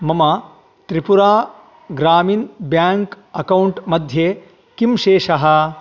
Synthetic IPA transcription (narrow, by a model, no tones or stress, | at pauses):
mɐmɐ | t̪ɾipuɾaː | ɡɾaːmiːnbjaːŋk | ɐkɐwɳʈmɐd̪ʱjeː | kimʃeːʂɐɦɐ̆